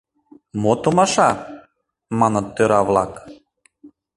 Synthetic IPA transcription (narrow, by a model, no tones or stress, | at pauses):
mot̪omɑʃɑ | mɑnɤ̆t̪ːøɾɑvlˠɑk